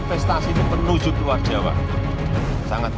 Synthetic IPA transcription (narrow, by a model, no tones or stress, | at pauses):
fɛst̪asinɪmənud̥ʒ̥ukward̥ʒ̥a̤wa̰ | saŋət̪